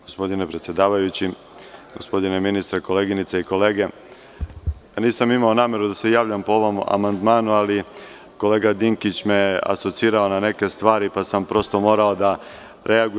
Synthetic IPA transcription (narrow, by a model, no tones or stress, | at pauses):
ɡ̥ospo̞d̪ine̞pɾe̞t̪sje̞d̪aːʋajut͡ɕi | ɡo̞spo̞d̪ineminist̪ɾeko̞leɡinit̪seiko̞leːɡe̞ | niːsamimaonaːme̞ɾud̪ase̞jaːʋʎampo̞o̞ʋo̞ma̰mand̪maːnuali | ko̞le̞ːɡad̪iŋkit͡ɕmejea̰so̞t̪siːɾao̞nane̞ke̞st̪ʋaːɾipasampɾo̞st̪o̞mo̞ːɾao̞d̪a | ɾe̞aɡu